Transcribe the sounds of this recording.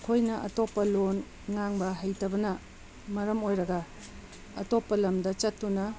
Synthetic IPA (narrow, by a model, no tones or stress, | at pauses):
kʰojnɐʔɐ̰topːɐlon | ŋaŋbɐɦɐjtʰɐbɐnɐ | mɐɾɐmojɾɐɡɐ | ɐ̰topːɐlɐmdɐt͡ʃɐtːunɐ